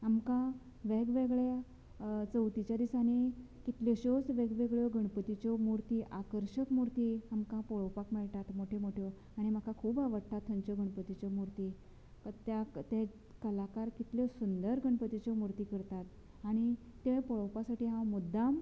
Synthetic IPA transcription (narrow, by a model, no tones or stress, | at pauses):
amkã | ʋeɡʋeɡɭa | t͡səwt̪it͡ɕjad̪isane | kit̪lɔɕɔsʋeɡʋeɡɭjɔɡʱəɳpət̪it͡ɕɔmuɾt̪iʔakəɾɕəkmuɾt̪iamkãpɔɭəwpakmeɭt̪at̪moʈʰemoʈʰjɔ | aɽ̃im̤akʰãkʰuːbaʋəɽʈʰːat̪ʰːənt͡ɕɔɡʱəɳpət̪it͡ɕɔmuɾt̪i | kt̪jat̪ẽ | kəlakaɾkit̪ljɔsund̪əɾɡʱəɳpət̪it͡ɕɔmuɾt̪iːkəɾt̪at̪ | aɽ̃it̪epɔɭəwpasaʈiːɦãwmud̪ːam